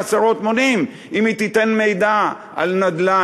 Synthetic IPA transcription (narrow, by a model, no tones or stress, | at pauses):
asaʁot̪monim | imit̪it̪e̞nme̞jd̪a | ʔa̰lnad̪la